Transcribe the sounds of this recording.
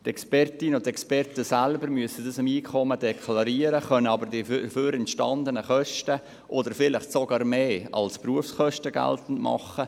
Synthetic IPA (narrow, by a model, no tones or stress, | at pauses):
t̪ɛkspɛrtinəʊntɛkspɛrtəsælbəɾmyəsədɑsɪmiːkʰɔmədɛkʰlɑɾiəɾəχœnəɑbəɾdiføːɾɛntʃtɑnd̪ənəχœʃtə | ʔod̪əɾfɪlɪχtsoɡɑːɾmeːɑ̰lspruəfsχœʃtəɡæ̰ltn̩tmɑ̰χə